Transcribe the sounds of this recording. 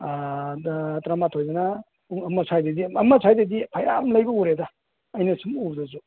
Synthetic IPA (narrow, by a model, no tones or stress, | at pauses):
tɾamatʰojzana | ɐmɐsʰajdediɐmɐsʰajdedipʰaja̰mlɐjbɐuɾedaː | jnɐsumubdɐzu